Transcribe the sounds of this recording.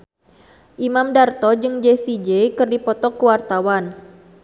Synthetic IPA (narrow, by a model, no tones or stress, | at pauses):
ʔimamdart̪ɔd͡ʒɨŋd͡ʒesid͡ʒekɨrdipɔt̪ɔkːəwart̪awan